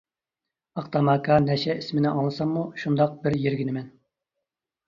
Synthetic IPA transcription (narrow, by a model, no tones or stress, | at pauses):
ɑqt̪ɑmɑkʰɑnɛʃɛismɪnɪʔɑŋlˠɨsɑŋmuʃund̪ɑq̚bɪɾjeɾɡʲinɪmɛn